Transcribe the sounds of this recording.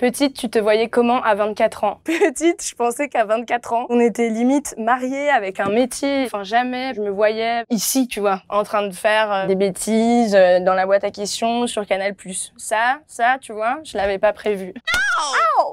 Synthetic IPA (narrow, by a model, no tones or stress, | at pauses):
pət̪it̪ːyt̪əvwajɛkɔmɑ̃ʔavɛ̃t̪̚kʲat̪χɑ̃pət̪it̪ʒ̥əpɑ̃sɛkavɛ̃t̪̚kat̪χɑ̃ɔ̃net̪ɛlimit̪maʁjeavɛkɛ̃met̪jẽfɛ̃ʒamɛʒəməvwajɛisit̪yvwaɑ̃t̪χɛ̃d̪əfɛʁød̪ebet̪ʰizød̪ɑ̃labwat̪akʲest̪jɔ̃syʁkanalplysːasat̪yvwaʒəlavɛpapχevywa